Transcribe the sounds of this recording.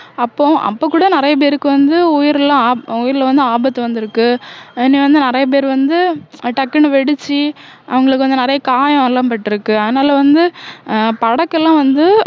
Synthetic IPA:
ɐpːõːʔɐ̰pːoːkːuːɽɐnɪɾɐjɐp̬eːɾɯkːɯʋɐnd̪ɯʊjɪɾɛlːãːʊjɪɾlɐʋɐnd̪ɯaːbɐt̪ːɯʋɐnd̪ɪɾɯkːɯɪnːĩːʋɐnd̪ɯnɪɾɐjɐp̬eːɾʋɐnd̪ɯʈɐkːɐnɯʋɛɽɯt͡ʃːiʔɐ̰ʋɐŋɡɐɭɯkːɯʋɐnd̪ɯnɪɾɐjɐkaːjɐ̃ɐlãːpɐʈːɪɾɯkːɯɐðɐnaːlɐʋɐnd̪ɯpɐɽɐkːɛlːãːʋɐnd̪ɯ

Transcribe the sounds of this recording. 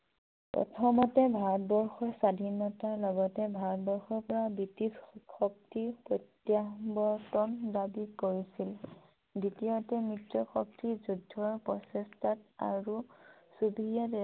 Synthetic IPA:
pɹɔ̰tʰɔmɔtɛbʱaɹɔt̚bɔɹxɔɹsadʱinɔtaɹlɔɡɔtɛbʱaɹɔtbɔɹxɔɹpɔɹabitisxɔk̚tipɹɔtːjabɔtɔndabikoɹisil | ditiotɛmɹitɹɔxɔk̚tizudʱːɔɹpɹɔsestʰata̰ɹusubʱijat

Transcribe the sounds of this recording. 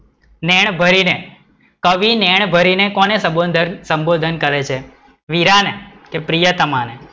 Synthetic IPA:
neɳ̃bʱəɾine | kəʋineɳ̃bʱəɾinekonesəboəsəmbod̪ʱənkəɾet͡ʃʰe | ʋiɾanekepɾijət̪əmane

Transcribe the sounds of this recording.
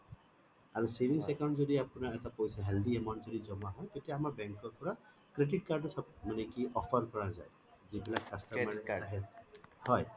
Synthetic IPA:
aɹusebʱiŋsɛkawnʈzɔdiapunaɹɛt̪apojsaɦɛld̪iemɔnzɔdizɔmaɦɔjk̪etijaːmaɹbɛŋkɔɹpɔɹa | kɾeʈiʈ̚kaɹɖsamanekiʔɔpʰɔɹkɔɹazaj | zibilak̚kast̪aanɛaɦɛhɔj

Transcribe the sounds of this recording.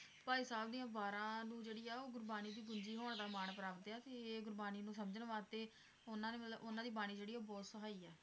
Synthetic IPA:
paːiːsaːbd̪iːãːbaːɾãːnũːd͡ʒeːɽiːaːoːɡʊɾbaːniːd̪iːɡʊɲd͡ʒiːɦoːɳ̃d̪aːmaːɳpəɾaːpt̪eaːt̪eːɡʊɾbaːniːnũːsəmd͡ʒənʋaːt̪eː | ʊnãːneːmət̪ləbʊnãːd̪iːbaːɽ̃iːd͡ʒeːɽiːoːbɔːt̪səɦaːiːɛː

